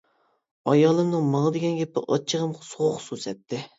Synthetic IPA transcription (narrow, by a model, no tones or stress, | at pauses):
ɑjɑːlˠɨmnɨŋmɑŋd̪ɪɡʲɛnɡʲɛpɪ̰ʔɑ̰t͡ʃʰːəʁəmqsoʁχʊsusɛt̪ʰːɪ